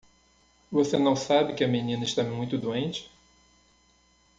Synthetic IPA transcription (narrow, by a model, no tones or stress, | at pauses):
vosenɐ̃w̃sabɪkɪɐmenĩnɐɪʃt̪amũj̃t̪ʊd̪uẽnt͡ʃɪ̥